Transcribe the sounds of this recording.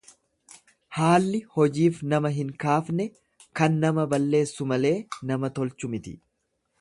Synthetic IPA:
haːlːɪhɔd͡ʒiːfnɐmɐɦɪŋkaːfnɛ | kɐnːɐmɐbɐlːe̞ːsːʊmɐle̞ːnɐmɐt̪ɔlt͡ʃʊmɪt̪ɪ̥̰

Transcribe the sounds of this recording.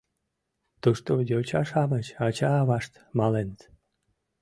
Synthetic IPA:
t̪uʃt̪ojot͡ɕɑʃɑmət͡ɕɑt͡ɕɑːβɑʃt̪ | mɑlent̪

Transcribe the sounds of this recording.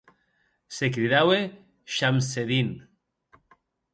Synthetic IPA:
sekɾiðawe | ʃamseðin

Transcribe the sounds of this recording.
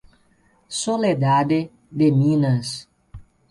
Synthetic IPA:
soled̪ad̪ɪ | d̪emĩnɐs

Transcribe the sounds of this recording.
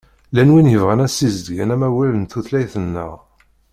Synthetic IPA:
lænwinjəvʁænæsizd̪əɡænæmæwælənt̪uθlæjθənːə̰ʁ

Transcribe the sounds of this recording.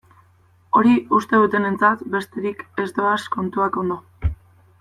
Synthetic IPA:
o̞ɾiust̪e̞ðut̪e̞ne̞nt͡sat̪be̞st̪e̞ɾike̞zd̪o̞asko̞nt̪uako̞nd̪o̞

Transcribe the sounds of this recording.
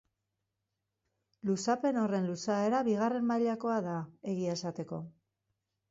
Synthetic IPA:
lusape̞no̞re̞nlusae̞ɾaβiɣare̞mmaʎako̞aðae̞ɣiesat̪e̞ko̞̰

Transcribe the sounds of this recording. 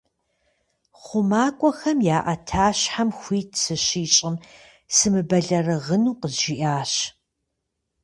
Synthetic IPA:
χʷʊmaːkʷʼɔxɐmjaːʔɐtʰaːɕħamxʷiːtʰsɨɕiːt͡ʃʼɪm | sɨmɨbɐɮɐrɨʁənuːqəʒiʔaːɕ

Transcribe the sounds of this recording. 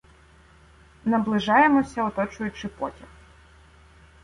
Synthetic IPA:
nɐblˠɪʒɑjemɔsʲɐɔt̪ɔt͡ʃʊjʊt͡ʃɪpɔtʲɐx

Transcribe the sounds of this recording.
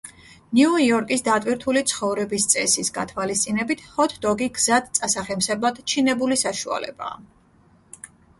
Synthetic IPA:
niɔiɔɾkʼisd̪at̪ʼwiɾt̪ʰulit̪sʰχɔvɾɛbist̪sʼɛsisɡa̰t̪ʰwalist̪sʼinɛbit̪ʰhɔt̪ʰd̪ɔɡiɡzad̪t̪sʼasaχɛmsɛblˠad̪̥t͡ʃʰinɛbulisaʃua̰lɛ̰ba̰ː

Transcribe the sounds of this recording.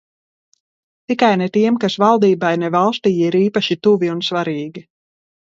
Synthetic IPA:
t̪ikajnɛt̪iɛmkasvalˠd̪iːbajnɛvalˠst̪iːjiɾiːpaʃit̪uviunsvaɾiːɡʲi

